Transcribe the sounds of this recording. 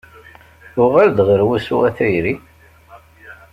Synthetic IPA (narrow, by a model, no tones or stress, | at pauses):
ʊʁæld̪ʁəɾwæsuæθæjɾi